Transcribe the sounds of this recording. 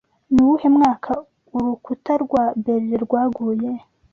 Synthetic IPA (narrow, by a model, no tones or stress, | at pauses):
nuwuhemŋaːkʰa | uɾukutaɾɡwabeɾd͡ʒeɾɡwaːɡuje